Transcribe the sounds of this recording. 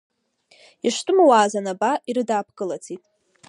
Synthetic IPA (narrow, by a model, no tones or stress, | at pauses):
iʂtʼɨmawaːzanabaʔiɾɨdaːpʰkʼɨlat͡sʰitʼ